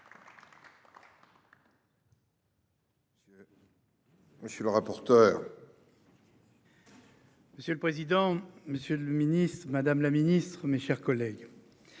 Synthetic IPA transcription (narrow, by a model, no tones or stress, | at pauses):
məsjələʁapɔʁt̪œːʁ | məsjøləpχezid̪ɑ̃məsjøləminist̪χəmad̪amlaminist̪χmeʃɛʁkɔlɛɡ